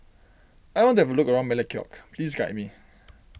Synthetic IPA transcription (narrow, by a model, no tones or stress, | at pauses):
ajwɔ̃ntuɛvəlukəɹãʊ̃nmɛləkʰjɔ̰kpʰlisɡaʔ̚mi